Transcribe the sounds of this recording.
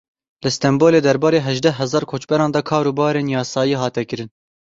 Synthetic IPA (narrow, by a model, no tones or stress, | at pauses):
lɨst̪ɛmboːleːd̪ɛɾbɑːɾeːɦɛʒd̪ɛɦɛzɑːɾkʰoːt͡ʃbɛɾɑːnd̪ɑkʰɑːɾuːbɑːɾeːnjɑːsɑːjiːɦɑːt̪ɛkɨɾɨn